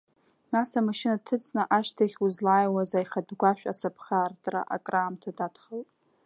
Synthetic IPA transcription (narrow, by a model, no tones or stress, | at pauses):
nasamaʃɪnatʰɨt͡sʼnaʔaʃtʰaχʲuzlaːjwazajχadɡʷaʃʷᶣa̰t͡sʰapʰχartʼra̰ʔa̰kʼraːmtʰadadχaltʼ